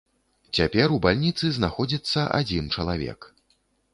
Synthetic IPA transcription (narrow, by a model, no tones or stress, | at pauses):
t͡sʲapʲɛɾubalʲnʲit̪sɨznaxɔd͡zʲit̪sːɐʔa̰d͡zʲint͡ʂɐlˠavʲɛ̰k